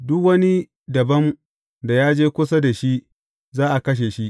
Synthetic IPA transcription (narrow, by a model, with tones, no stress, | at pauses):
dʊ˦kwɐ˦ni˦ | dɐ˨bɐ˦m | da˨jaː˦d͡ʒeː˦kʷʊ˦s̬a˦da˨ʃi˦ | zaː˦ʔa˨kɐ˦ʃ̬e˨ʃi˦ʔ